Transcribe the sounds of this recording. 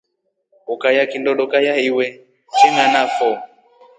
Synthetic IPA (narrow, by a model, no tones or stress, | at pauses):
ɔkajakindɔɗɔkajahiwɛ | t͡ʃɛŋanafɔ